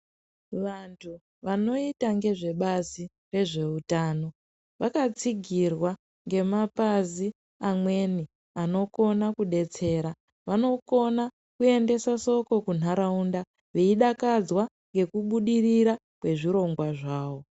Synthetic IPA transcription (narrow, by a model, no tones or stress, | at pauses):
ʋantʰu | ʋano̞itaŋɡe̞ʐe̞ɓazi | re̞ʐe̞utaːno̞ | ʋakat͡siɡʱirwa | ŋɡe̞mapazi | amwe̞ni | ano̞ko̞nakuɗe̞t͡se̞ːɾa | ʋano̞ko̞na | kue̞nde̞saso̞ko̞kun̤ɦaɾaunda | ʋeiɗakad͡zwa | ŋɡe̞kuɓuɗiriɾa | kwe̞ʐiɾo̞ŋɡwaʐaːʋo̞